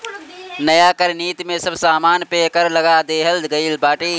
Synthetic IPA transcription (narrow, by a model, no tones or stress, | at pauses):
nəjakəɾniːt̪mẽsəbsaːmaːnpeːkəɾləɡad̪eːɦəld̪ɡəɪlbaːʈiː